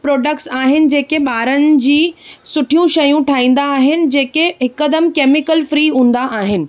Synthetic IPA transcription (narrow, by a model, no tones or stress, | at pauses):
pɾoːɖək̚ʈsaːɦɪnɪ̆d͡ʑeːkeɓaːɾənɪ̆d͡ʑiːsʊʈʰijũʃɐjũʈʰaːĩːn̆d̪aːɦɪnɪ̆d͡ʑeːkeɦɪkəd̪əmkeːmɪkəlfɾiːɦũːn̆d̪aʔaːɦɪnɪ̆